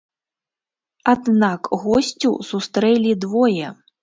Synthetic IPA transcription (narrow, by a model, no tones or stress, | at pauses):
ad̪nakɣɔsʲt͡sʲusust̪ɾɛlʲid̪vɔjɛ